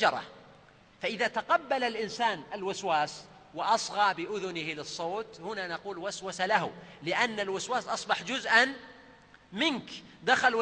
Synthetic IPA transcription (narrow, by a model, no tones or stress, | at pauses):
d͡ʒɑɾˤɑ̰ | faʔɪðaːt̪aqɑbːalalʔɪnsaːnalwaswaːs | wɪʔɑsˤɣɑːbɪʔʊðʊnɪhlɨsˤːoːt̪hʊnanɑquːlwaswasalaɦʊlɪʔanːalwaswaːsʔɑsˤbɑħd͡ʒʊzʔan | mɪnkd̪axal